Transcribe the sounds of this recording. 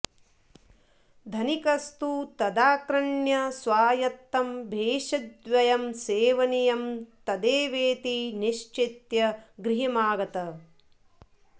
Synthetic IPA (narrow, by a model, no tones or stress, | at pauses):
d̪ʱɐnikɐst̪ut̪ɐd̪aːkɾɐɳjɐsʋaːjɐt̪ːɐmbʱeːʃɐd̪ʋɐjɐmseːʋɐnijɐmt̪ɐd̪eːʋeːt̪iniʃt͡ʃit̪jɐɡɾiɦɐmaːɡɐt̪ɐ